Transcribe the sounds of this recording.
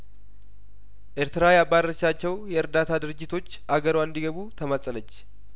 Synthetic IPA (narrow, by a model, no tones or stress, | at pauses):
ʔeɾt̪ɨɾajabaɾəʃat͡ʃːɛwjɛɨɾd̪at̪ʰad̪ɨɾɨd͡ʒːɪt̪ʰo̞t͡ʃːʔaɡəɾwaɨnd̪iɡəβut̪ʰəməsʼələt͡ʃː